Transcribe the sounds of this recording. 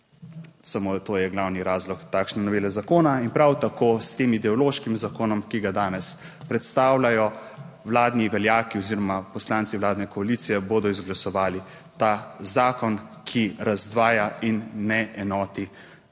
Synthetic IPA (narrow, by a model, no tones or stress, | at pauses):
samot̪oːjɛɡlawniɾaːzlɔkt̪aːkʃnɛnɔʋeːlɛzakoːnainpɾawt̪akoːst̪eːmid̪ɛɔloʃkimzakoːnɔmkiɡad̪aːnɛs | pɾɛt̪st̪aːwlajɔ | wlaːd̪niʋɛljaːkiɔziːɾɔmapɔslant̪siʋwlaːd̪nɛkɔaliːt̪sijɛboːd̪ɔizɡlasɔʋaːli | t̪azaːkɔnkʰiɾazd̪ʋaːjainːɛʔɛnɔːt̪i